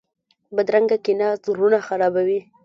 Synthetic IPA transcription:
bad̪ɾaŋɡakinazɾunaxaɾɑbawi

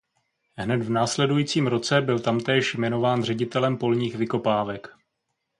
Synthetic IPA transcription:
ɦnɛt̪vnaːslɛdujiːt͡siːmɾo̞t͡sɛbɪlt̪amt̪ɛːʃjmɛno̞vaːnr̝ɛɟɪt̪ɛlɛmpo̞lɲiːxvɪko̞paːvɛk

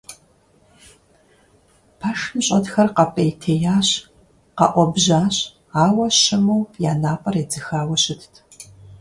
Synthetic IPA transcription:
pʰaʂmɕʼɐdxɐrqɐpʼejtʰeːjaːɕ | qɐ̰ʔʷɔbʑaːɕ | aːwɐɕɪmuwjaːnaːpʼɐred͡zɨxaːwɐɕɪtʰtʰ

